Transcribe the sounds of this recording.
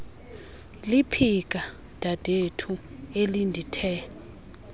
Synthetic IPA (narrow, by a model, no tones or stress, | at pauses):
lipʰik̬ʼa | d̥ʱad̥ʱetʰuelindʱitʰɛ